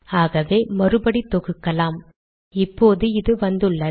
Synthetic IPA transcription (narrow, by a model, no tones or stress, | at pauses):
aːɣɐʋeːmɐrɯbɐɽit̪ːɔɣɯkːɐlaːm | ɪpːoːðɯɪðɯʋɐnd̪ɯɭːɐ